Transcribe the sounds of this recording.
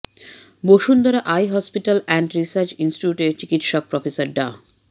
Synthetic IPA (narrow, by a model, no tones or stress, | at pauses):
boʃund̪aɾaʔajɦɔspiʈalɛɳɖɾisaɾt͡ɕinsʈiuʈeɾt͡ɕikit̪ʃɔk̚pɾɔfesaɾɖa